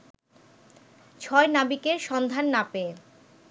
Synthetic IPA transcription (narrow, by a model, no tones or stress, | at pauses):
t͡ɕʰɔenabikeɾʃɔnd̪ʱanːapee